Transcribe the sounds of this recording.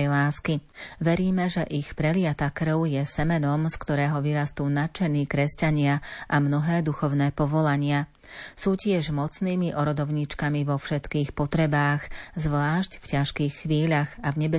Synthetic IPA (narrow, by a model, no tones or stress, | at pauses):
jlaːskiʋɛɾiːmɛʒɛʔixpɾɛlɪat̪akɾ̩ʊjɛsɛmɛnɔmskt̪ɔɾɛːɦɔʋiɾast̪uːnat͡ʃɛniːkɾɛscaɲɪaʔamnɔɦɛːd̪uxɔʊnɛːpɔʋɔlaɲɪa | suːcɪɛʒmɔt͡sniːmiʔɔɾɔd̪ɔʊɲit͡ʃkamiʋɔfʃɛt̪kiːxpɔt̪ɾɛbaːɣzʋlaːʃcfcaʃkiːxːʋiːʎaɣavɲɛbɛ